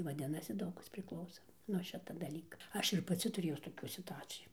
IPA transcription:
ʋɐˈdʲɪnɐsʲɪ ˈdɐʊk ˈkɐs pʲrʲɪkˈlˠɐʊsoː nuɔ ˈʃʲɪtɐ dɐˈlʲiːkɐ ˈɐʃ ɪr pɐˈt͡sʲɪ tʊrʲeːjʊs toːˈkʲuː sʲɪtʊˈɑːt͡sʲɪjuː

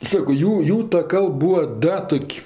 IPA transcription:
ˈsɑːkoː ˈjuː ˈjuː tɐ ˈkɐlˠp ˈbuːɐ ˈdɐ ˈtoːkʲ

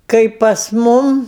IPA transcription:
ˈkɐɪp pɐs ˈmʊm

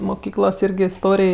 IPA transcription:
mʊˈkʲiːklˠoːs iːrʲˈɡʲɪ ɪsˈtoːrʲeːj

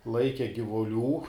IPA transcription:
ˈlˠɐɪkʲɛ ɡʲɪʋʊˈlʲuː

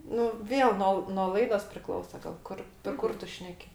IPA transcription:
ˈnʊ ˈʋʲeːlˠ ˈnoː lˠ noː ˈlˠɐɪdoːs pʲrʲɪˈklˠɐʊsɐ ɡɐlˠ ˈkʊr pʲɛr ˈkʊr ˈtʊ ˈʃʲnʲæːkʲɪ

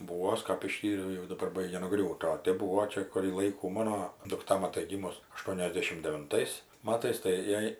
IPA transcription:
uɔ ˈɐʃ kɐp ɪˈʃʲtʲiːrʲɛʊ jɛʊ dɐˈbɐr ˈbɐɪɡʲɛ nʊˈɡrʲuːtʲɪ oː ˈtʲeːp ˈbuːʋoː ˈt͡ʃʲɛ kʊrʲiː ˈlˠɐɪkuː ˈmɑːnoː dʊkˈtɐ mɐˈtɐɪ ˈɡʲiːmʊs ɐˈʃtuɔnʲɛzʲdʲɛʃʲɪm dʲɛʋʲɪnˈtɐɪs ˈmɑːtɐɪs tɐɪ ˈjɛɪ

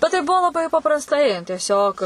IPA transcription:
bʲɛt tɐɪ ˈbuɔ lˠɐˈbɐɪ pɐprɐsˈtɐɪ tʲiɛˈsʲoːk

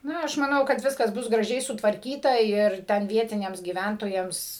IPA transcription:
ˈnɐ ɐʃ mɐˈnɐʊ kɐt ˈʋʲɪskɐs ˈbʊs ɡrɐˈʒʲɛɪ sʊtʋɐrʲˈkʲiːtɐ ɪr ˈtʲɛn ˈʋʲiɛtʲɪnʲɛms ɡʲiːˈʋʲæntoːjɛms

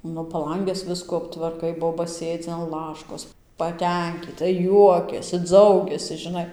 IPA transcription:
ˈnʊ pɐˈlˠɐŋʲɡʲɛs ˈʋʲɪskuː ɐptʋɐrˈkɐɪ ˈboːbɐ ˈsʲeːd͡zʲɪ ɐn ˈlˠɑːʃkoːs pɐˈtʲɛŋʲkʲiːtɐ ˈjuɔkʲɛsʲɪ ˈd͡zɐʊɡʲɛsʲɪ ʒʲɪˈnɐɪ

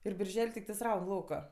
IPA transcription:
ɪr bʲɪrʲˈʒʲɛlʲ tʲɪkˈtɐɪs ˈrɐʊn ˈlˠɐʊkɐ

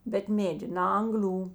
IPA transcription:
bʲɛt ˈmʲeːdʲɪ nɐ ˈɐŋɡˌlʲuː

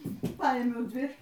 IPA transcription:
ˈpɐɪmʲɛʊ ˈdʲʋʲɪ

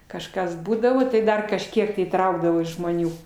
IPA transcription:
kɐʃˈkɐs ˈbuːdɐʋoː tɐɪ ˈdɐr kɐʃʲˈkʲiɛk tɐɪ iːˈtrɐʊɡdɐʋoː ʒmoːˈnʲuː

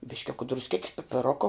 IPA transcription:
bʲɪʃʲˈkʲʊkɐ drʊsʲˈkʲeːkʲɪs pʲɪpʲɪˈroːkoː

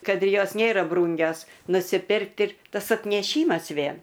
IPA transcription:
ˈkɐt ɪ ˈjoːs ˈnʲeːrɐ ˈbruːŋʲɡʲoːs nʊsʲɪˈpʲɪrktʲɪ ˈtɐs ɐtʲnʲɛˈʃʲiːmɐs ˈʋʲeːn

